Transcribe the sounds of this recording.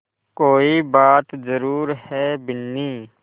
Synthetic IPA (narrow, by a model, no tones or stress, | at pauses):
koːibaːt̪zəɾuːɾhɛbɪnːiː